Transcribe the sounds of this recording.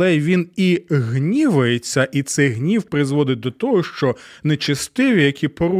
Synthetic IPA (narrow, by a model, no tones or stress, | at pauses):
ɛʋʲiniɦnʲiʋɐjet͡sʲːɐʔit̪sɛjɦnʲiwpɾɪzʋɔd̪ɪt̚ʲd̪ɔt̪ɔɦɔʃt͡ʃɔnet͡ʃɐst̪ɪʋʲijɐkʲipɔɾu